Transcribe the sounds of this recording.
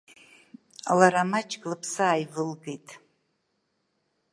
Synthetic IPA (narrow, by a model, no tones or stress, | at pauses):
laɾamat͡ʃʰʼɡʼlɨpʰsaːjvɨlɡejtʼ